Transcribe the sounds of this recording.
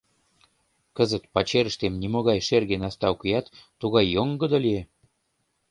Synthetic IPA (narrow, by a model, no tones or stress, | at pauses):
kəzət̪pɑt͡ɕeɾə̆ʃt̪emnimoɣɑjʃerɣenɑst̪ɑkujɑt̪ːuɣɑjːoŋɡə̆d̪olie